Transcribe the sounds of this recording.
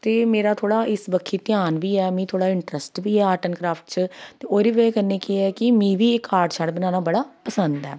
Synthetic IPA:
t̪eːmeːɾaːt̪ʰoːɽaːʔɪsbəkʰːiːt̪ɪjaːnʋiːɛːmĩːt̪ʰoːɽaːɪɳʈɾəsʈʋiːɛːaːʈənkɾaːpʰʈt͡ʃt̪eːoːɾiːʋeekəɾneːkeɛːkɪmĩːʋiːɪkːaːɾɖt͡ʃʰaɽbənãːnaːbəɽaːpəsənd̪ɛː

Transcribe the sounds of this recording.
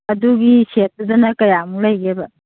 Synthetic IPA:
ɐduɡiset̚dudɐnɐkɐjamulɐjɡebɐ

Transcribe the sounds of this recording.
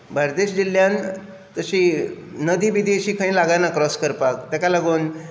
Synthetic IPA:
bʱaɾd̪eɕd͡ʑiljan | t̪əɕinəd̪iːʋid̪eɕiːkʰãĩlaɡanakɾɔskəɾpakt̪akalaɡuːn

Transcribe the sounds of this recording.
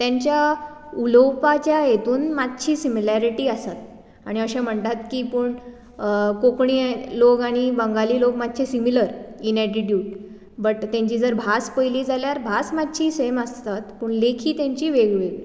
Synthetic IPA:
t̪jãɲt͡ɕja | uləwpat͡ɕjajet̪uːnmat̪̚t͡ɕʰiːsimilaɾiʈiːəsat̪ | aɽ̃iəɕɛ̃m̤əɳt̪at̪kiːpuːɳ | kokɳilokaɽ̃ibəŋɡaliːlokmad̪̚t͡ɕʰesimiləɾinɛʈiʈjuːʈ̚ | bəʈt̪jãɲt͡ɕiːd͡zəɾbʱaspəjliːd͡zaljaɾbʱasmat̪t͡ɕʰiːseməst̪at̪pəɳlekʰiːt̪jãɲt͡ɕiːʋeɡʋeɡi

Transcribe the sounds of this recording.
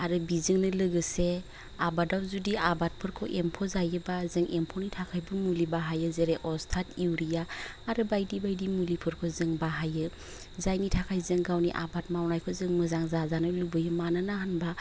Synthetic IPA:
aɾɯbizɯŋnɯlɯɡɯse | abadawzudiabat̚pʰɯɾkʰɔʔempʰɔzajɯbazɯŋʔempʰɔnitʰakʰajbɯmulibaɦajɯzeɾeʔɔstʰatiwɾijaːɾɯbajdibajdimulipʰɯɾkʰɔzɯŋbaɦajɯ | zajnitʰakʰajzɯŋɡawniʔa̰bat̚mawnajkʰɔzɯŋmɯzaŋzazanɯlubɯjɯmananaɦanba

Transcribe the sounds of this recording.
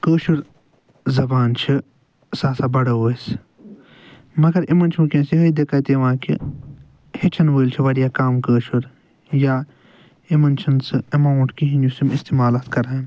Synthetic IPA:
kəːʃuɾ | zɐbaːnt͡ʃʰi | saːsaːbɐɽɐoːs | mɐɡɐɾimɐnt͡ʃʰũkẽːsiɦɐid̪ekajt̪eːʋãːkḭ | het͡ʃʰɐnʋəːlt͡ʃʰiʋɐɽijaːkaːmkəːʃuɾ | jaː | imɐnt͡ʃʰɐnsɨɐmaːwʈkiɦĩnusimist̪iːmaːlaːt̪kɐɾan

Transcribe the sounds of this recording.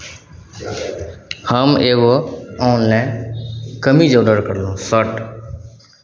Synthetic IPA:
həmeːɡoaːnːɛ̃ | kəmid͡ʒoːɖəɾkəɾlõsəʈ

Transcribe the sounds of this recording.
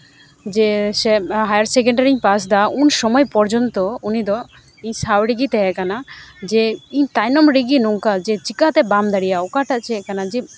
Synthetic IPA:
d͡ʒɛsɛɦajaɾsɛkɛɳʈaɾiɲpas̬d̪aunʃɔmɔjpɔɾd͡ʒɔnt̪ɔunid̪ɔ | iɲsawɾiɡit̪ɛɦɛkanad͡ʒɛiɲt̪ajnɔmɾiɡinuŋkad͡ʒɛt͡ʃikat̪ɛbamd̪aɽijaɔkaʈaʔt͡ʃʰɛkanad͡ʒɛ

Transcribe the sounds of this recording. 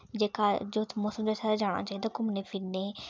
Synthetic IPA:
d͡ʒeːkaːd͡ʒot̪ʰmoːsəmd͡ʒoːsʰad̪ad͡ʒaːɽ̃a̰ːt͡ʃaːid̪akʊmneːpʰɪɾneː

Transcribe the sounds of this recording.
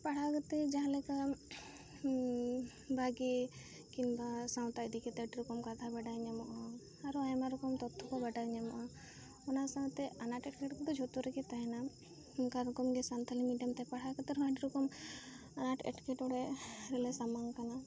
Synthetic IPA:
paɽ̤akɔt̪ɛd͡ʒaɦãlɛka | bʱaɡe | kinbasaw̃t̪ajd̪ikɛt̪ɛʈɾɔkɔmkat̪ʰabaɖaɲamɔʔa | aɾɔajmaɾɔkɔmt̪ɔt̪ʰːɔkɔbaɖaɲamɔʔa | ɔnasaw̃t̪ɛanaʈɛʈkɛʈkɔd̪ɔd͡ʒʱɔt̪uɾɛkɛt̪aɦɛna | mkaɾɔkɔmɡɛsant̪ʰalimiʈamt̪ɛpaɽakɔt̪ɛɾɔɦaʈɾɔkɔm | anaʈɛ̰ʈkɛʈɔɽɛɾɛlɛsamaŋkana

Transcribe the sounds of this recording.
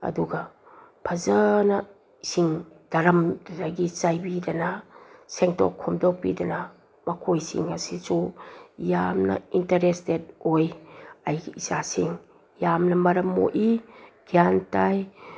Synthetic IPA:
ɐ̰duɡɐ | pʰɐzɐnɐ | siŋ | d̥ɐɾɐmdnaɡit͡ʃajbidɐnɐseŋtɔ̰kʰːɔmdɔk̚pḭdɐnɐ | mɐkʰojsḭŋːɐsisujamnɐ̰intɐɾestet̚ojajɡiisasiŋ | jamnɐmɐɾɐmːo̰ʔiɡ̥iantaj

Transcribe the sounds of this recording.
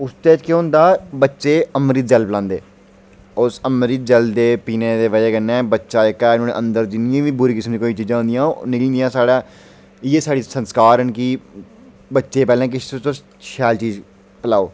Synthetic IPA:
ʊst̪eːt͡ʃkeɦʊ̃nd̪aːbətːʃeːəmɾiːt̪̚d͡ʒəlpəlãːnd̪ḛː | ʊsəmɾiːt̪̚d͡ʒəld̪eːpiːneːd̪eːʋəd͡ʒɛːkənːɛ̃ːbətːʃaːɪkːaːɪnõːnḛ̃ʔə̃nd̪əɾd͡ʒɪnɪjãːʋiːbʊɾiːkɪsəmd̪iːkoːiːt͡ʃiːd͡ʒãːɦʊ̃nd̪ijãːnɪkəl̃ːnd̪ijãːsaːɽaː | ɪjeːsaːɽiːsənskaːɾɦənki | bətːʃeːpɛːlẽːk̬ɪsto | ʃɛːlt͡ʃiːz | pəlaːoː

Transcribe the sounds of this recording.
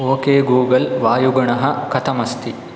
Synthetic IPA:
oːkeːɡuːɡɐlʋaːjuɡɐɳɐɦɐkɐt̪ʰɐmɐst̪i

